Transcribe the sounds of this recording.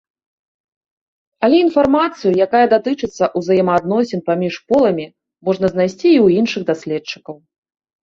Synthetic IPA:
ɐlʲɛinfarmat̪sɨjujakajɐd̪at̪ɨt͡ʂɨt̪sːɐʔuzɐjɛmɐːd̪nɔsʲɛnpamʲiʂpɔlˠɐmʲi | mɔʐnɐzn̪ajsʲt͡sʲiːwjinʂɨɣd̪asʲlʲɛtt͡ʂːɨ̥kɐw

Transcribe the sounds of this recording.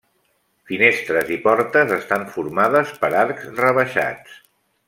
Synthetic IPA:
finest̪ɾəzipɔɾt̪əzəst̪aɱfuɾmaðəspəɾaɾkzrəβəʃa̰t͡s

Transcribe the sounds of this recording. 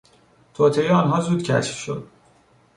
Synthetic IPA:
t̪ʰɒːt̪ʰeeɒːnɦɒːzuːd̪̥cʰæ̰ʃfʃo̞̰d̪̥

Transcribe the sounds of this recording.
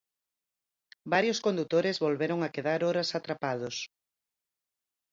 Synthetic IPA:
baɾjoskond̪ut̪oɾɪzβolβeɾoŋakeðaɾɔɾasat̪ɾapað̞ʊs

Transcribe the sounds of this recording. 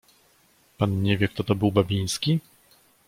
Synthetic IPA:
panɲevʲjɛk̚t̪ɔt̪ɔbɘwbabʲij̃skʲi

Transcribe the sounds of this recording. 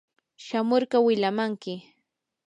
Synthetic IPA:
ʃamoɾɢɑwɪʎamaŋkɪ

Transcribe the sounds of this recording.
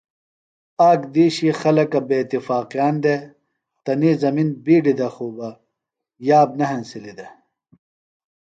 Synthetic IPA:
aːkd̪iːɕixɐlɐkɐbeːt̪ifaːqijaːnd̪e | t̪ɐniːzɐminbiːɖid̪ɐxuːbɐ | jaːbnɐɦɐnsilid̪ɐ

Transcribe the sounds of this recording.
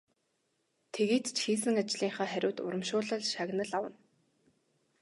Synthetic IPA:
t̪ʰeɣeːt̪t͡ɕxiːsɘ̆ŋat͡ɕɮiːŋχaːχæɾʲʊːt̪ʊ̰ɾə̆mʃʊːɮə̆ɮʃaɣnə̆ɮawə̆n

